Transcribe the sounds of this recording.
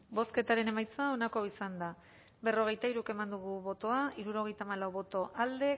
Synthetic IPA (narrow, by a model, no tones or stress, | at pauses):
bo̞ske̞t̪aɾe̞ne̞majt͡sao̞nako̞isand̪a | be̞ro̞ɣ̞e̞jt̪aiɾuke̞mand̪uɣuβo̞t̪o̞aiɾuɾo̞ɣ̞e̞jt̪aːmalawβo̞t̪o̞ʔald̪e̞